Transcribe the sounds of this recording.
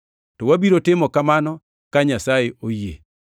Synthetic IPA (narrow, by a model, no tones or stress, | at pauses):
tɔwabiɾotɪmɔkamanɔ | kaɲasajeʔojḛ